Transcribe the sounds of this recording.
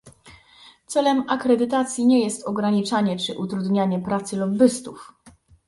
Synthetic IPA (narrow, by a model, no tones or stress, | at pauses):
t̪sɛlɛmakɾɛd̪ɘt̪at̪sʲjiɲɛjɛst̪ɔɡɾaɲit͡ʂaɲɛt͡ʂɘʔut̪ɾud̪ɲaɲɛpɾat̪sɘlɔbɘst̪uf